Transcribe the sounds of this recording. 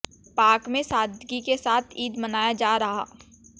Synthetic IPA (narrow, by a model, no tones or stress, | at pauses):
paːkmẽsaːd̪ɡikesaːt̪ʰiːd̪mɐnaːjad͡ʒaːɾɐɦa̰ː